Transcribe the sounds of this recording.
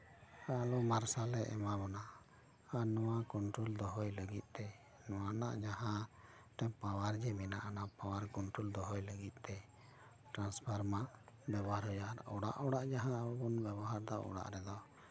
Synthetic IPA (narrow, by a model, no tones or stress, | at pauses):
alɔmaɾsalɛʔɛmabɔna | anɔwakɔnʈɾuld̪ɔɦɔjləɡit̪̚ˀt̪ɛ | nɔwanaʔd͡ʒaɦã | ʈɛpawaɾd͡ʒɛminaʔanapawaɾkɔnʈɾuld̪ɔɦɔjləɡit̪̚ˀt̪ɛ | ʈɾanspʰaɾmaʔbɛbɔɦaɾɦɔjaɾɔɽa̰ʔɔɽaʔd͡ʒaɦãbɔnbɛbɔɦaɾd̪aʔɔ̰ɽa̰ʔɾɛd̪ɔ